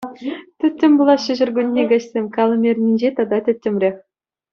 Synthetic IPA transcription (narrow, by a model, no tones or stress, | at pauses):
t̪ʲɘtʲːɘ̆mʲbulˠɑɕɘ̆ʑɘ̆rɡʲunʲːeɡɑɕsʲemʲkɑlˠɤ̆mʲerʲnʲinʲd͡ʑet̪ɑd̪ɑtʲɘ̆t̪ʲːɘ̆mʲrʲeχʲ